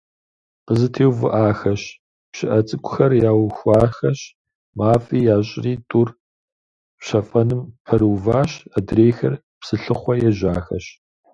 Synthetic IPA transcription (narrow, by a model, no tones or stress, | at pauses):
qəzɨtʰeːwvɨʔaːxɐɕ | pɕɪʔɐt͡sʼɨkʷʰʼʊxɐrjaːwxʷɑːxɐɕ | maːfʼiːjaːɕʼɪriːtʼur | pɕɐfʼɐnɨmpʰɐɾuwvaːɕɐdreːxɐr | psɨɬɨχʷɔjɛʒaːxɐ̰ɕ